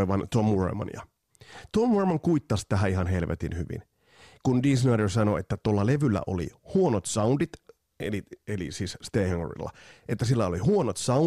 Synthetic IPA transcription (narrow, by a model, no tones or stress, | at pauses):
eʋɑnt̪omːurḛmɑ̰njɑ̰ | t̪omːuremɑŋkuit̪ːɑst̪æɦæiɦɑnɦelʋet̪ḭnhyʋḭn | kundisnɑːdersɑnoet̪ːæt̪uolːɑleʋylːæ̰ʔo̰lḭhuonot̪sɑundit̪ | ḛlielḭsiːsst̪eːhoŋo̰rḭlːɑ̰ʔet̪ːæs̬ilːæolihuonot̪sɑ